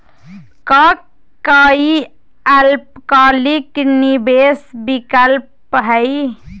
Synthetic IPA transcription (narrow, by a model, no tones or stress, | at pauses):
kɔk | kːəi | alp̚kaliknibesbikəlp | ɦəɪ